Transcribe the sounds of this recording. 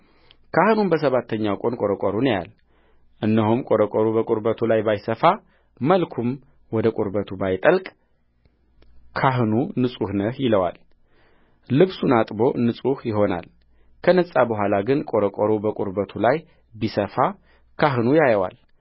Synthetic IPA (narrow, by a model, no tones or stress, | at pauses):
kʰahɨnumbəs̬əβat̪ʰːəɲːawkʼo̞nkʼo̞ɾəkʼɔɾunja̰l | ʔɨnːəɦumkʼo̞ɾəkʼɔɾubəkʼuɾbət̪ʰulajbajsəfa | məlkʰum | wɔd̪əkʼuɾbət̪ʰubajt̪ʼəlkʼ | kʰaɦɨnunɨsʼuhnəhjɪləwa̰l | ɨβsunat̪ʼbo̞nːɨsʼuhjɪɦo̞na̰l | kʰənəsʼabəɦʷalaɡɨnkʼo̞ɾəkʼɔɾobəkʼuɾbət̪ʰulaj | bisəfa | kʰaɦɨnujajəwa̰l